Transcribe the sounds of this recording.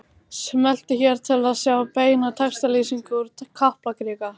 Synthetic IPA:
smɛl̥t̪ɪçɛɾ̥t̪ʰɪlaðsjaːwapeːjnat̪ʰɛkst̪alisiŋkʏɾkʰahplakɾɪːka

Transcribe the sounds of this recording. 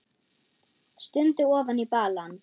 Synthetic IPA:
st̪ʏnt̪ʏɔːvanipaːlan

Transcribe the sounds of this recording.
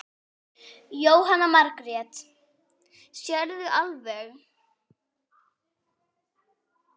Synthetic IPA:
joːwɦanːamaɾkɾɛt̪ | sjɛɾðʏʔalvɛɣ

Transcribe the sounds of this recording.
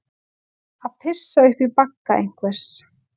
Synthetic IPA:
aðpʰɪsːaʏhpipakːaʔḛjŋ̥kvɛ̥s

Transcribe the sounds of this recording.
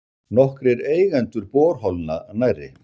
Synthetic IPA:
nɔhkɾɛɾeːjɣɛnt̪ʏɾpɔːɾ̥ɦɔlna̰najrːɪ̰

